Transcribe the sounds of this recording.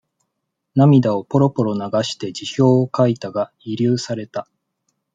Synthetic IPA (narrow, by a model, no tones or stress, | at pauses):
namʲid̪ao̞po̞ɾo̞po̞ɾo̞naɡaɕi̥t̪e̞d͡ʑiçʲo̞ːkait̪aɡa | iɾʲɨːsaɾe̞t̪a